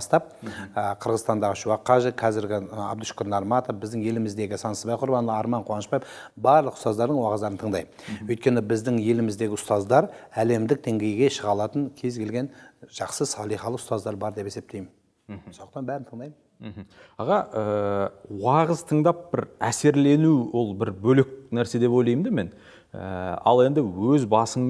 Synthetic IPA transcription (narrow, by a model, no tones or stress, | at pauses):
st̪ɑp̚qʰəɾʁəzst̪ɑnd̪ɑʁəʃuwɑqːɑʒeqʰɑzɪɾɡʲɪɑ̰bd̪uʃkʲoɾnɑɾmɑt̪ofbɪzd̪ɪŋje̞lɪmɪzd̪e̞ɡʲɪsɑnsəzbɑjqʰʊɾbɑnlˠəɑɾmɑɴqʰowɑnəʃpɑjef | bɑɾlˠəqʊ̥st̪ɑzd̪ɑɾd̪əɴwɑʁəzd̪ɑɾənt̪ʰəɴd̪ɑjwɵjt̪̚kʲe̞nɪbɪzd̪ɪŋje̞lɪmɪzd̪e̞ɡʲɪʊst̪ɑzd̪ɑɾæle̞md̪ɪk̚d̪e̞ŋɡʲe̞jɡʲe̞ʃəʁɑlˠɑt̪əŋkʲʰe̞zɡʲe̞lɡʲenʒ̥ɑqsəsɑlˠijχɑlˠəqʊ̥st̪ɑzd̪ɑɾbɑɾd̪e̞pe̞se̞p̚t̪e̞jmɪn | sonəqt̪ɑnbæɾɪnt̪ʰəɴd̪ɑjmənm̩ɦ̩ | ɑʁɑʔəwɑʁəzt̪ʰəɴd̪ɑp̚bɪɾæse̞ɾle̞nuwo̞lˠbɪɾbɵlɪk̚næɾse̞d̪e̞pojlˠɑjmd̪eme̞n | ə̰ɑ̰lˠe̞nd̪ɪwɵzbɑsəɴ